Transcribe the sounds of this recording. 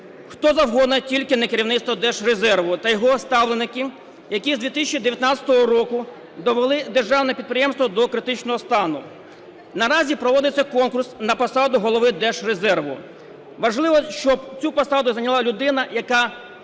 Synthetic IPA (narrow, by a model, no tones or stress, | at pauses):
xt̪ɔzɐwɦɔd̪nɐtʲilʲkɪnɐkeɾʲiwnɪt̪st̪ʋɔd̪ɛʃrezɛrʋʊt̪ɐjɔɦɔst̪ɑwlˠenɪkɪ | jɐkʲizd̪ʲʋʲit̪ɪ̥sʲɪt͡ʃːid̪eʋʲjɐt̪nɑt͡sʲɐ̥t̪ɔɦɔɾɔkʊ | d̪ɔʋelˠɪd̪erʒɑwnɛpʲid̪̚pɾʲɪjɛmst̪ʋɔd̪ɔkɾɪt̪ɪt͡ʃnɔɦɔst̪ɑnʊ | nɐɾɑzʲipɾɔʋɔd̪ɪt͡sʲːɐkɔnkʊrsnɐpɐsɑd̪ʊɦɔlˠɔʋɪd̪ɛʃrezɛrʋʊ̰ | ʋɐʒlˠɪʋɔʃt͡ʃɔbt͡sʲupɐsɑd̪ʊzɐnʲɐlˠɑlʲʊd̪ɪnɐjɐkɑ